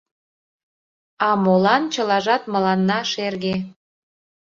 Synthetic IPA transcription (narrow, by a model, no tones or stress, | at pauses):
ɑmolɑnt͡ɕə̆lɑʒɑt̪mə̆lɑnːɑʃerɣe